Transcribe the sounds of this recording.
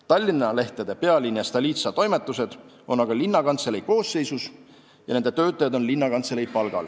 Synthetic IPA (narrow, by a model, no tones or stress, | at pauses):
t̪ɑlʲːinːɑle̞ht̪ed̪̥e̞pe̞ɑlʲinjɑst̪ɑlʲiːt̪sɑt̪o̞jmet̪ːˑuse̞d̪̥ | o̞nɑɡ̥ɑlinːɑkɑnt̪selejko̞ːsːe̞jsus | jɑ̰ne̞nd̪et̪øːt̪ːˑɑjɑd̪o̞nlinːɑkɑnt̪selejpɑlɡ̥ɑ̰l